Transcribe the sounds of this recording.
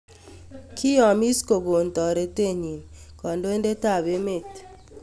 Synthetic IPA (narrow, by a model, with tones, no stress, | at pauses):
kʰi˦jɔ˨mi˦sko˨ɡo˨ntɔ˨ɾe˨te˦˨ɲi˨nkɔ˨ndo˦e˦nde˦ta˦˨be˦me˦˨t